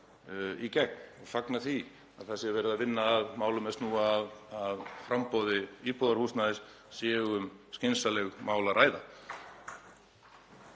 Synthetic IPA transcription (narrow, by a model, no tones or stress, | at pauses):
icɛk̚faknaθi | aðθɛsɪɛɾvɛːɾɪðavɪnːaːðmaːwlʏmɛst̪nuːaðaðfɾampɔwðɪiːpɔðaɾ̥husnaðɪs | sjɛːɣʏmscɪnsalɛɣmaːwlaɾʔaːjða